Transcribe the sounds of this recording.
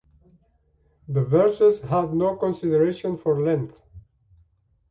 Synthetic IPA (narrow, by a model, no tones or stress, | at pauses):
ðəvɛɹsɪzhævnoʊkɔ̃nsɪdəɹeʃɔ̃nfɔɹlɛ̃nθ